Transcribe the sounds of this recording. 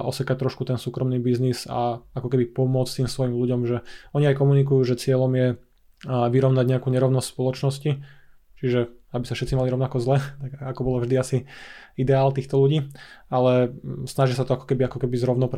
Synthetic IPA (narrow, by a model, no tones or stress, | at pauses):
ʔɔsɛkac̚t̪ɾɔʃkut̪ɛnsuːkɾɔmniːbizniza̰akɔkɛbipɔmʊɔt͡st̪iːmsʋɔjimluɟɔmʒɛɔɲiajkɔmunikujuːʒɛt͡sɪɛʎɔmjɛ | ʋiɾɔʊnaɟɲɛakuːɲɛɾɔʊnɔscspɔlɔt͡ʃnɔsci | t͡ʃiʒɛabisafʃɛt̪t͡simaliɾɔʊnakɔzlɛt̪aɡakɔbɔlavʒd̪iasiid̪ɛaːlt̪iːxt̪ɔluɟiːalɛsnaʒisat̪ɔakɔ̥kɛbiakɔkɛbizɾɔʊnɔpɾ